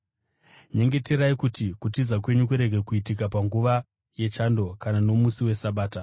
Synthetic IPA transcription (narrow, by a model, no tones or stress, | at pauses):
ɲe̞ŋɡe̞te̞ɾaikutikutizakwe̞ɲuk̬uɾe̞ɡʱe̞kuitik̬apaŋɡuʋa | je̞t͡ʃando̞kanano̞musiwe̞saɓaːta